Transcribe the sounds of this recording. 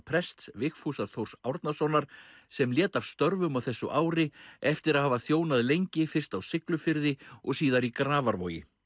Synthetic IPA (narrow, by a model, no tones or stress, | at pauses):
pʰɾɛst̪svɪxfusaɾθʰowɾ̥sawɾt̪nasɔnaɾ̥ | sɛmljɛːt̪av̥st̪œɾvʏmawθɛsːʏʔaːwɾɪɛft̪ɪɾaðhaːvaθjoːwnaðlejɲcɪfɪr̥st̪awsɪklʏfɪɾðɪɔɣsiːðaɾikɾaːvaɾvo̰ːwjɪ̰